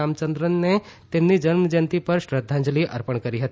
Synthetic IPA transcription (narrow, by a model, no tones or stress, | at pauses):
amt͡ʃənd̪ɾənːet̪emnːid͡ʒənməd͡ʒənt̪ipəɾɕɾəd̪ʱːãɲd͡ʒliʔɐ̰ɾpəɳkəɾiɦət̪i